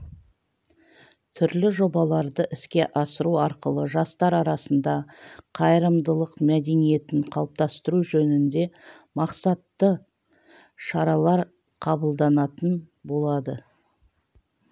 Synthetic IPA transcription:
t̪ʰʏɾlɪʒo̞bɑlˠɑɾd̪əʔɪskʲe̞ʔɑsəɾuɑɾqəlˠəʒɑst̪ɑɾɑɾɑsənd̪ɑqʰɑjəɾəmd̪əlˠəqmæd̪e̞nije̞t̪ɪɴqʰɑlˠəp̚t̪ɑst̪əɾuʒɵnɪnd̪e̞ | mɑqsɑt̪ːə | ʃɑɾɑlˠɑɾ | qʰɑbəlˠd̪ɑnɑt̪ən | bo̞lˠɑd̪ə

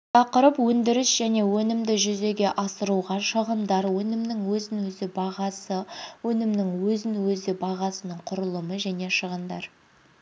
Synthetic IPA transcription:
t̪ʰɑqəɾəpwɵnd̪ɪɾɪʃʒ̥æne̞wɵnɪmd̪ɪʒʏze̞ɡʲe̞ʔɑsəɾuʁɑʃəʁənd̪ɑɾwɵnɪmnɪŋwɵzɪnwɵzɪbɑʁɑsəwɵnɪmnɪŋwɵzɪnwɵzɪbɑʁɑsənəɴqʰʊɾəlˠəməʒæne̞ʃəʁənd̪ɑ̰ɾ

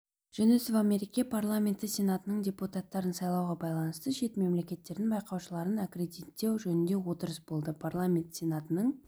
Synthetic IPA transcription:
ʒ̥enɪsvamʲeɾikʲiapʰarlˠamʲe̞nt̪əsʲe̞nat̪ənəɴdʲe̞put̪at̪ːɑɾənsɑjlˠɑwʁɑbɑjlˠɑnəst̪əʃe̞t̪me̞mle̞kʲe̞t̪ːe̞ɾd̪ɪnbɑjqɑwʃəlˠɑɾənakɾe̞d̪it̪ːe̞wʒɵnɪnd̪e̞wo̞t̪əɾəsbo̞lˠd̪əpʰarlˠamʲe̞nt̪sʲe̞nat̪ənəɴ

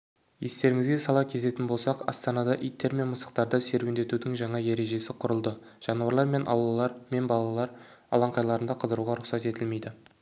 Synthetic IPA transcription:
je̞st̪e̞ɾɪŋɪzɡʲesɑlˠɑkʲʰe̞t̪e̞t̪ɪnbo̞lˠsɑqɑ̰st̪ɑnɑd̪ɑʔijt̪ːe̞ɾme̞nməsə̥q̚t̪ɑɾd̪əse̞ɾwend̪e̞t̪ud̪ɪŋʒɑɴɑje̞ɾe̞ʒe̞sɪqʰʊɾəlˠd̪ə | ʒ̥ɑnuɑɾlˠɑɾme̞nʔɑ̰wlˠɑlˠɑɾme̞nbɑlˠɑlˠɑɾ | ɑ̰lˠɑɴqɑjlˠɑɾənd̪ɑqʰəzd̪əɾuʁɑɾʊqsɑt̪e̞t̪ɪlme̞jd̪ɪ

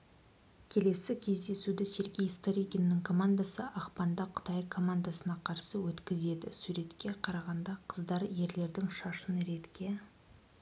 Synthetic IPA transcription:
kʲʰe̞le̞sɪkʲʰe̞zd̪e̞sud̪ɪse̞ɾɡʲejst̪oɾiɡʲenːɪŋkʰo̞mand̪asəʔɑqpɑnd̪ɑqʰə̥t̪ɑjkʰo̞mand̪asənɑqʰɑɾsəwɵt̪kʲɪze̞d̪ɪ̰suɾe̞t̪kʲe̞qʰɑɾɑʁɑnd̪ɑqʰəzd̪ɑɾje̞ɾle̞ɾd̪ɪŋʃɑʃənɾe̞t̪kʲe̞

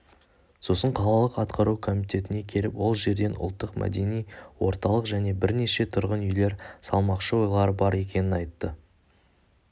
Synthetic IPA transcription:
so̞səɴqʰɑlˠɑlˠəqɑt̪qʰɑɾukʰo̞mit̪ʲe̞t̪ɪne̞kʲʰe̞lɪpwo̞lˠʒe̞ɾd̪e̞nʔʊ̰lˠt̪ːəqmʔæ̰d̪e̞nijwo̞ɾt̪ɑlˠəqʒæne̞bɪɾne̞ʃe̞t̪ʰʊɾʁənʏjle̞ɾsɑlˠmɑqʃəwo̞jlˠɑɾəbɑɾe̞kʲe̞nɪnɑjt̪ːə

